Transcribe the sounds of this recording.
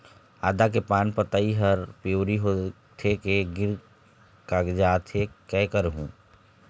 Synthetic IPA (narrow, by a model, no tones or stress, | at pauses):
aːd̪ak̬epaːnpət̪aiɦəɾpoːɾiɦo | t̪ʰekeɡɪɾ | kaɡd͡ʒaːt̪ʰekɛːkəɾɦũː